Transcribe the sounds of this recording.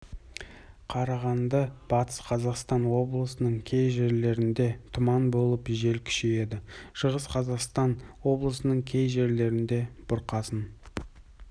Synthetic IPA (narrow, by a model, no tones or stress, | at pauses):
qʰɑɾɑʁɑnd̪ɑb̥ɑt̪ə̥sqʰɑzɑqst̪ɑnwo̞blˠəsənəɴkʲʰe̞jʒe̞ɾle̞ɾɪnd̪e̞t̪ʰʊmɑnbo̞lˠəpʒe̞lkʲʰʏ̥ʃeje̞d̪ɪʃəʁəsqʰɑzɑqst̪ɑnwo̞blˠəsənəɴkʲʰe̞jʒe̞ɾle̞ɾɪnd̪e̞b̥ʊɾqɑsən